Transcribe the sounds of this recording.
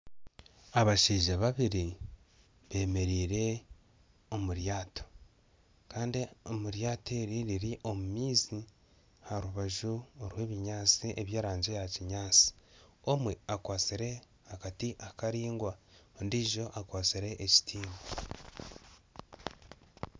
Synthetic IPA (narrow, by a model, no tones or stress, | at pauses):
aβaʃiːʒaβaβiɾi | βe̞ːme̞ɾiːɾe̞ | o̞muɾjaːto̥ | kaːndiomuɾjaːte̞ɾiɾiɾiʔo̞mumiːzi | haɾuβaʒuoɾwe̞ːβiɲaːt͡siʔe̞βjaːɾaːɲɟe̞jaciɲaːt͡si̥o̞mweakwaːt͡siɾe̞ | hakatiʔakaɾiːŋɡwaondiːʒo̞ʔakwaːt͡siɾe̞ʔeci̥tʰiːma